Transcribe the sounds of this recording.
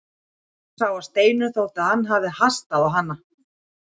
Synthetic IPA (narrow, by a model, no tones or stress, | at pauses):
saːwawst̪eːjnʏθowt̪aðhanːɦavðɪhast̪aðawɦanːa